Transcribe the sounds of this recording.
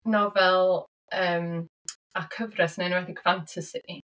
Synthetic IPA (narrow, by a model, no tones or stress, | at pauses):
nɔvɛlˠ | əːm | akʰəvrɛsnenwɛdiɡfantʰəsɪʔi